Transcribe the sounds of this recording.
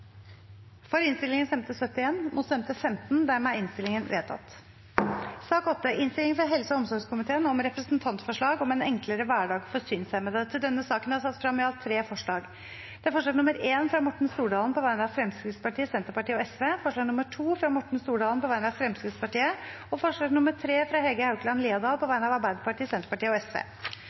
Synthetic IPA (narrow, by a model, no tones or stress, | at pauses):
fɔɾɪnst̪ɪlɪŋənsɛmt̪əsœt̪ːɪeːnmʔʊt̪sɛmt̪əfɛmt̪n̩d̪æɾmɛæɪnst̪ɪlɪŋənʋḛːt̪ʰɑ̰t̪ː | sɑːkɔt̪ːəʔɪnst̪ɪlɪŋfɾɑɦɛlsəɔɔmsɔɾɡʂkʰʊmɪt̪ʰeːənɔmɾɛpɾəsnt̪ʰɑnt̪fɔʂɭɑːɡɔmɛnɛŋkləɾəʋæːɖɑːɡfɔʂyːnsæɪmɛd̪ɛt̪ʰɪld̪ɛnːəsɑːkənhɑsɑt̪ːfɾɑmːɪɑlt̪ʰːɾeːfɔʂɭɑːɡ | d̪̥ɛæfɔʂɭɑːɡnʊməɾeːnfɾɑmʊʈɳ̩st̪uːɖɑːln̩pɔʋæɪnəɑʋfɾɛmskɾət̪spɑʈʰiːəsɛnt̪əɾpɑʈʰiːəɔɛsʋeːfɔʂɭɑːɡnʊməʈʰuːfɾɑmʊʈɳ̩st̪uːɖɑːlənpɔʋæɪnəɑʋfɾɛmskɾɪt̪spɑʈiːə | ɔfɔʂɭɑːɡnʊməʈʰɾeːfɾɑɦɛlɡəhɑʉklɑnliːɑd̪ɑːlpʰɔʋæɪnɑʋɑɾbæɪd̪əpɑʈʰiːəsɛnt̪əpɑʈiːəɔɛsʋḛː